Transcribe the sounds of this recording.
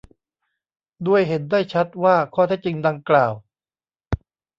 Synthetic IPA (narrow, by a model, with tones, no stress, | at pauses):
du˧˥˩əjɦe˩˦ndaː˥˩jt͡ɕʰa˦˥t̪̚waː˥˩kʰɔː˥˩t̪ʰɛ˦˥k̚t͡ɕi˧ŋda˧ŋklaː˨˩w